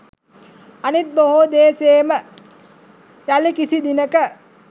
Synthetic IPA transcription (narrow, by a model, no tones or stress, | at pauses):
anit̪̚boɦud̪eːseːmə | jalekisid̪inəkə